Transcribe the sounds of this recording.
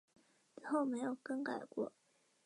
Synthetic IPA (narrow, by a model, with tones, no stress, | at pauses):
t͡sɹ̩˧˩xo˥˩ʊme˧˥ɪjo˨˩ʊkə˥ŋka˨˩ɪkwɔ̰˥˩